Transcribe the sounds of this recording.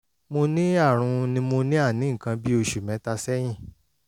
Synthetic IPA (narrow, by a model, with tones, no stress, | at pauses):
mo˧nĩ˦a˦˨ɾ̃ũ˧nĩ˧mo˧nĩ˦a˦˨nĩ˨˦˨kã˧bi˦o˧ʃu˨mɛ̃˨˦ta˧sɛ˦j̃ĩ˦˨